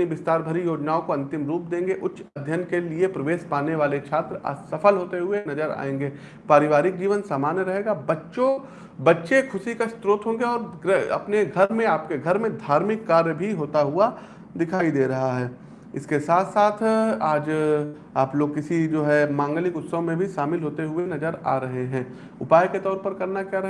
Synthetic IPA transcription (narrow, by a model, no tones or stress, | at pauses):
niʋɪst̪aːɾbʱɐɾijoːd͡ʒnaːõkoɐ̃nt̪ɪmɾuːp̚d̪ẽːŋɡeʔʊtːʃɐd̪ʱjənkeliepɾɐʋeːʃpaːneʋaːlet͡ʃʰaːt̪ɾa̰sɐfəlɦoːt̪eɦʊenɐd͡ʒəɾa̰ːẽːŋɡeː | paːɾɪʋaːɾɪk̚d͡ʒiːʋənsaːmaːnjəɾɐɦeːɡabɐtːʃõ | bɐtːʃekʰʊsikast̪ɾoːt̪ɦõːŋɡeɔːɾɡɐ̰pneɡʱɐɾmẽaːp̚keɡʱɐɾmẽd̪ʱaːɾmɪkːaːɾjəbʱiɦoːt̪aɦʊa | d̪ɪkʰaːid̪eːɾɐɦaɦɛː | ɪskesaːt̪ʰsaːt̪ʰaːd͡ʒ | aːploːɡkɪsid͡ʒoːɦɛmãːŋɡəlɪkʊt̪sõmẽbʱiʃaːmɪlɦoːt̪eɦʊenɐd͡ʒəɾa̰ːɾɐɦeɦɛ̃ː | ʊpaːjket̪ɔːɾpɐɾkɐɾnakjaːɾɐɦ